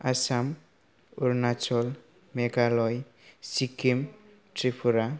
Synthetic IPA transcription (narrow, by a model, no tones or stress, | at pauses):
asam | uɾnat͡ʃɔl | meɡalɔj | sikim | ʈripʰuɾa